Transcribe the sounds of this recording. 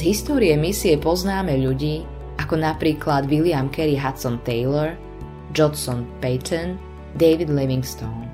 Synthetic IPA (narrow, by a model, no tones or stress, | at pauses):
zɦist̪ɔːɾiɛmisiɛpɔznaːmɛʎuɟiː | ʔakɔnapɾiːklad̪ʋiliamkɛɾiɦat̪sɔnt̪ɛjlɔɾ | d͡ʒɔnsɔnpɛjt̪ʰɔn | d̪ɛjʋid̪lɛʋiŋɡst̪ɔʊn